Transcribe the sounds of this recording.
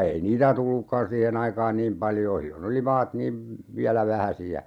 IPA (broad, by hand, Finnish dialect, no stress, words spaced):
ei niːtæ tulːukːɑn siːhen ɑikɑːn niːm pɑljoː silːon oli mɑːt niːm ʋiælæ ʋæhæsiæ